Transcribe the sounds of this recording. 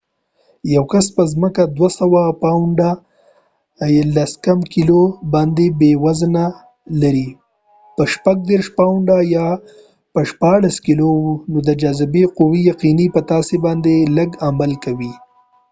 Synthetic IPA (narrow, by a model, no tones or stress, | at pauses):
jawkaspəzməkad̪wasawapaɳɖa | laskamkilobɑnd̪ebewazəna | laɾi | pəʃpaɡ̚d̪eɾʃpaɳɖajɑ | pəʃpɑɽaskilowunod̪əd͡ʒazɪbequwijaqinipət̪ɑsebɑnd̪eləɡamalkawi